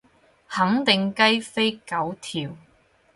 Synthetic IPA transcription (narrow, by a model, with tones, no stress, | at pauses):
hɐ˨˥ŋt̪ɪ˨ŋkɐ˥jfe˥jkɐ˨˥wt̪ʰiː˨w